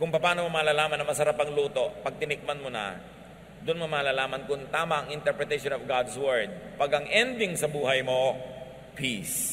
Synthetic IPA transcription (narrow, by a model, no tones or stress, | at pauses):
kʊŋpɐpaːnomɐmaːlaːlaːmɐnːɐŋmɐsɐɾapɐŋluːt̪o̞pɐɡ̚t̪ɪnɪk̚mɐnmonɐ̰ | d̪ʊnmɐmaːlaːlaːmɐnkʊŋt̪aːmɐʔɐŋɪnt̪ɛɹpɹɛt̪ɐʃonovɡad̪swɛɹd̪̚paɡɐŋʔɛnd̪ɪŋsɐbuːɦɐjmo̞ | pis